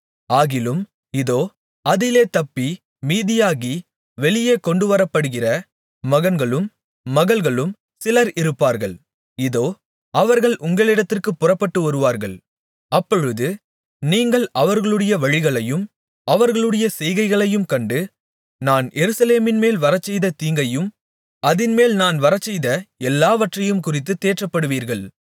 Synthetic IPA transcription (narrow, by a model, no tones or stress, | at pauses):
aːɣɪlɯm | ɪðoː | ɐðɪleːt̪ɐpːi | miːðɪjaːɣi | ʋɛɭɪjeːkɔɳɖɯʋɐɾɐpːɐɽɯɣɪrɐ | mɐɣɐnɡɐɭɯmː | ɐɣɐɭɣɐɭɯm | sɪlɐɾɪɾɯpːaːɾɣɐɭ | ɪðoː | ɐʋɐɾɣɐɭʔʊŋɡɐɭɪɽɐt̪ːɪrkɯpːʊrɐpːɐʈːɯʋɐɾɯʋaːɾɣɐɭ | ɐpːɔɻɯðɯ | niːŋɡɐɭɐʋɐɾɣɐɭɯɽɐjɐʋɐɻɪɣɐɭɐjɯm | ɐʋɐɾɣɐɭɯɽɐjɐsɛjɣɐɪɣɐɭɐjɯmkɐɳɖɯ | naːnjʔɛɾɯsɐleːmɪnmeːlʋɐɾɐt͡ʃːɛjðɐt̪iːŋɡɐjɯm | ɐðɪnmeːlnaːnʋɐɾɐt͡ʃːɛjðɐɛlːaːʋɐʈrɐjɯmkʊrɪt̪ːɯt̪ːeːʈrɐpːɐɽɯʋiːɾɣɐɭ